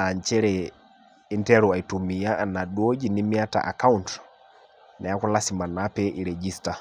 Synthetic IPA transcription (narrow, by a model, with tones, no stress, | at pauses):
a˨ɲt͡ʃɛ˦ɾɛ | i˦ntɛɾu˨a˨itumi˨ja˦ʔːna˨ɗo˦d͡ʒinimi˦a˦ta̰ʔa̰ka˦unt | nɛ˨a˦ku˦lasima˨napɛʔiɾed͡ʒista˨